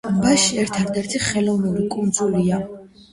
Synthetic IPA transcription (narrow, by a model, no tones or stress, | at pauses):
baʃiɛɾt̪ʰad̪ɛɾt̪ʰiχɛlɔvnuɾikʼund̪zulia